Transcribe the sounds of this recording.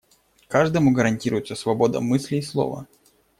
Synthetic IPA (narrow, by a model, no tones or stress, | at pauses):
kaʐd̪əmʊɡəɾɐnʲtʲiɾʊjɪt̪səsvɐbo̞d̪ə̰mɨsʲlʲɪːslˠo̞̰və̰